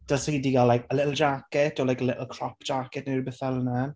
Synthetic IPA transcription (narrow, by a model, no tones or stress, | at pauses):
d̥alsidiɡalajkəlɪʔl̩ˠd͡ʒakɛtɔlajkəlɪʔl̩ˠkʰrɔpd͡ʒakɛtnəbɛθɛlənan